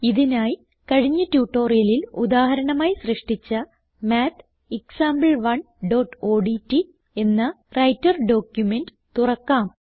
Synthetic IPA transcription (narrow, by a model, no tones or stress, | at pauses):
iðinaːji | kɐɻiɲːɐtjuːʈːo̞ːrijɐlilud̪aːhɐɾɐɳɐmaːjsrɨʂʈit͡ɕːɐ | maːt̪ʰ | iksaːmbɐlʋɐɳ | ɖo̞ːʈːo̞ːɖitːi | e̞nːɐ | rɐjtːɐrɖo̞ːkjumenɖɨt̪urɐkːaːm